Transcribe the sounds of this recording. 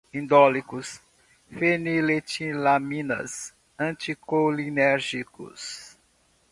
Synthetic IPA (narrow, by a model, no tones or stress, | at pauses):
ĩnd̪ɔlikʊs | fenilet͡ʃĩlamĩnɐ̰s | ɐ̃t͡ʃikolinɛɾʒikʊ̰s